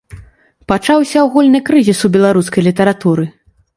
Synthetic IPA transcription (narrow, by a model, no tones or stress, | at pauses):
pat͡ʂawsʲɐwɣulʲnɨkɾɨzʲisubʲɛlˠaɾuskɐjlʲit̪ɐɾat̪uɾɨ